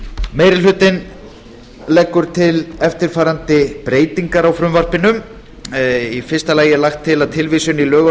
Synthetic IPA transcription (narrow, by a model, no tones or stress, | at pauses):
meːjɾɪlʏːt̪ɪn | lɛkːʏɾ̥t̪ʰɪlɛft̪ɪɾ̥faːɾant̪ɪpɾeːjt̪iŋkaɾawfɾʏmvar̥pɪnʏm | ifɪrst̪alaːjɪlaxt̪ʰːɪlaðt̪ʰɪlviːsʏnilœːɣ